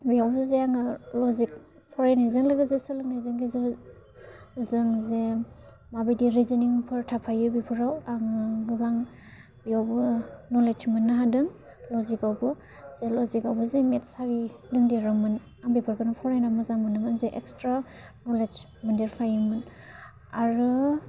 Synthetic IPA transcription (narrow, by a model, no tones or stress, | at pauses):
bijawbɯzeaŋɯlɔzik̚ | pʰɔɾajnajzɯŋlɯɡɯzesɯlɯŋ̚najzɯŋɡize | zɯŋze | mabijdiɾiziniŋpʰɯɾtʰapʰajɯbipʰɯɾawaŋɯɡɯbaŋ | biawbɯnɔlet͡ʃmɯnːaɦadɯŋ | lɔzikawbɯ | z̥elɔzikawbɯzemetsaɾidɯŋdeɾɯmɯn | aŋbipʰɯɾkʰɯnɯpʰɔɾajnamɯzamɯnɯmɯnzeʔekstɾa | nɔled͡ʒ | mɯndeɾpʰajɯmɯn | aɾɯ